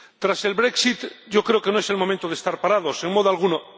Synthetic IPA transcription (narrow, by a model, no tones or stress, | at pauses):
t̪ɾase̞lβɾeksit̪ɟ͡ʝokɾeoke̞noe̞se̞lmomẽnt̪oðest̪aɾpaɾaðoseŋmoð̞oalɣuno